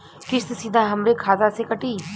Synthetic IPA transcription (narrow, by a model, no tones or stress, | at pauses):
kɪst̪sid̪ʱãːɦɐmɾeːkʰaːzaːsekəʈiː